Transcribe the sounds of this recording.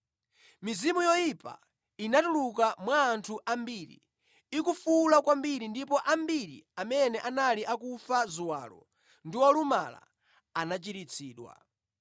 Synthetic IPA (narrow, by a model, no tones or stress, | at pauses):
mizimujɔjipa̰ | inatulukamwaːntʰuʔambiɾḭ | ikufulakwambiɾindipɔʔambiɾḭamɛnɛʔanaliʔakufazuwa̰ːlɔ̰ | ndiwɔluma̰la̰ | anat͡ʃiɾit͡sʰiːɗwa̰